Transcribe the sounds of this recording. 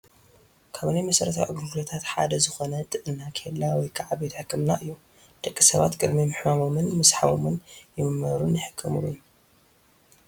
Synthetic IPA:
kʰaβnijmɐsɐɾɐt̪ʰa̰ʔɨɡɾuɡlot̪ʰat̪ħa̰d̪ɐzɨxonɐt̪ʼɨʔɨːakʰelːawɔjkʰaʕabet̪ħɨkːɨmnaʔɨjːu | d̪̥ʼɐkʼːisɐβa̰t̪kʼɨd̪mimɨħmamo̞mɨnmɨsħaβomɨnjɪmɨmɐɾunjɪħɨ̥kʰːɐmɨluu

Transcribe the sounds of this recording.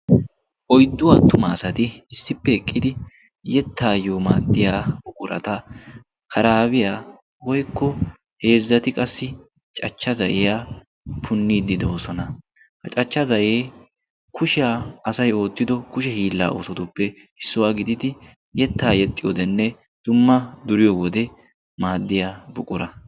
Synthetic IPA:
ʔɔjd̪ːʊwaːt̪ʊmaːsɐt̪ɪɪsːɪpːɛɛkʼːɪd̪ɪ | jɛt̪ʰːaːjoːma̰ːd̪ːɪjaːbʊkʼʊɾɐ̰t̪ɐ | kʰɐɾaːbɪjaː | wɔjkʰːɔ | he̞ːzːɐt̪ɪkʼɐsːɪ | t͡ʃʼɐt͡ʃːɐzɐʔɪjaː | pʰʊnːiːd̪ɪd̪oosɔnɐ | hɐt͡ʃʼɐt͡ʃːɐzɐʔeː | kʰʊʃɪaːsɐjo̞ːt̪ːɪd̪ɔkʊʃ̬ɛhiːlːa̰ːʔoːsɔt̪ʊpːɛ | ɪsːʊwaːɡɪd̪ɪd̪ɪ | jɛt̪ːaːjɛt̪ʼːɪjɔd̪ɛnːɛ | d̪̥ʊmːɐd̪ʊɾɪjɔwɔd̪ɛ | maːd̪ːɪjaːbʊkʼʊɾɐ

